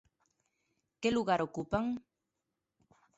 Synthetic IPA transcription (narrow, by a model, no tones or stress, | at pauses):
keluɣaɾokupaŋ